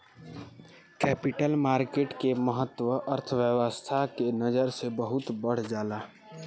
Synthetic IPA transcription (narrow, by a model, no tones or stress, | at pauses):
kɛpiʈəlmaːɾkeʈkeməɦət̪wəʔəɾt̪ʰəʋjəʋəst̪ʰakenəd͡ʒəɾsebəɦut̪bəɽ̤d͡ʒaːla